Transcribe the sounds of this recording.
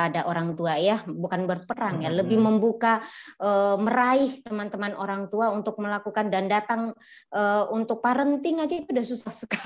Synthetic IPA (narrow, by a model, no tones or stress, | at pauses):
adaʔoɾaŋt̪uajabukanbərpəɾaŋjaləbɪhməmbukaʔəməɾaɪht̪əmant̪əmanʔoɾaŋt̪uaunt̪ʊk̚məlakukandandat̪aŋ | ʔəunt̪ʊk̚paɾənt̪ɪŋad͡ʒait̪udasusahsəka